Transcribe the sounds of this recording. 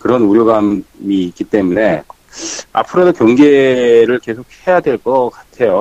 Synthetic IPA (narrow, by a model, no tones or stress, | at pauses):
kɯɾʌnuɾjoɡammiːk͈it͈e̞mune̞ | a̰pʰɯɾodokjʌŋɡe̞ɾɯɭke̞sʰok̚he̞jadwe̞ɭk͈ʌk͈ḁtʰe̞jo